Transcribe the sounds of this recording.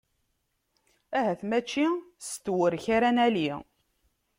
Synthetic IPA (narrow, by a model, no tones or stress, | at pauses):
æhæθmæt͡ʃːist̪ːwəɾçaɾænæli